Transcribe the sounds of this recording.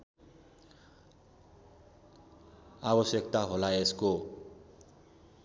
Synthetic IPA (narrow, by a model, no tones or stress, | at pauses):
abʌsjʌkt̪aɦolaesko